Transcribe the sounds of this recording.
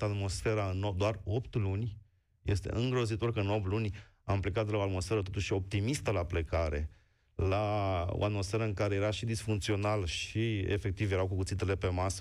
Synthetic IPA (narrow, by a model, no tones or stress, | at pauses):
at̪mo̞sfe̞ɾaɨnod̪oaro̞pt̪lunʲ | je̞st̪e̞̰ʔɨŋɡɾo̞zit̪o̞rkəɨno̞p̚t̪lunʲ | amplekat̪laoat̪mo̞sfe̞ɾət̪ot̪uʃio̞p̚t̪imist̪əlaplekaɾe̞̰ | lao̰at̪mo̞sfe̞ɾəɨŋkaɾe̞je̞ɾaʃid̪isfuŋkt̪sio̞nalʃiḛfe̞k̚t̪ivjeɾawkukut̪sit̪̬ele̞pe̞masə